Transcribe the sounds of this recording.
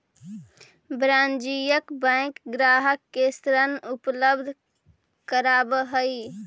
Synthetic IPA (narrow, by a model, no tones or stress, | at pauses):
bɾãnd͡ʒijəkbə̃kɡɾaɦəkːest̪ɾənupləbd̪ʱ | kəɾabɦəi